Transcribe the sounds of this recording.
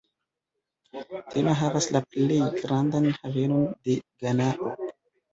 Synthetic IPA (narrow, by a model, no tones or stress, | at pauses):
tʰemaɦavaslaplejɡɾandanhave̞no̞nde̞ɡanaʔo